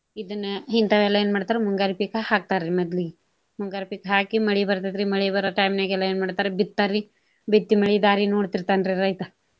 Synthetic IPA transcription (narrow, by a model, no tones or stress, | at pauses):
id̪ɐnːɐɦint̪ɐʋɛlːɐjeːnmaːɖt̪aːɾemuŋɡaːɾipikhaːk̚t̪aːɾɾimɐd̪liɡe | muŋɡaːɾipiːkɦaːkimɐɭibɐɾt̪ad̪ɾimɐɭibɐɾɐʈɐjmneɡɛlːɐeːnmaːɖt̪aːɾebit̪̚t̪ːaːɾi | bit̪ːimɐɭid̪aːɾinoːɽt̪iɾt̪aːnɾiɾɐjt̪ɐ